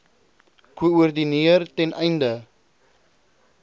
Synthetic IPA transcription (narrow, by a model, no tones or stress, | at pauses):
kuuərdiniərtɛnɛjndə